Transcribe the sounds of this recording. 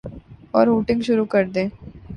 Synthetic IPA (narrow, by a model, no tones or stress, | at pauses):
ɔːɾɦuːʈɪ̃ŋɡʃʊɾukɐɾd̪ẽː